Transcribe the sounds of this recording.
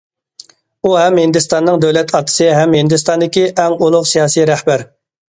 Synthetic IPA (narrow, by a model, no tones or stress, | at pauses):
uɦɛmhɪnd̪ɨst̪ɑnːɨŋd̪ɛwlɛt̪ʰɑt̪ʰːɨ̥sɨɦɛmhɪnd̪ɨst̪ɑnd̪ɪkʲiʔɛŋulˠʊqsijɑːsijɾɛhbæɾ